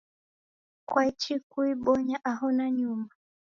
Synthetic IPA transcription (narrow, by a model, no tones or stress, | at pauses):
kwait͡ʃikuiɓɔɲaʔaɦɔnaɲuma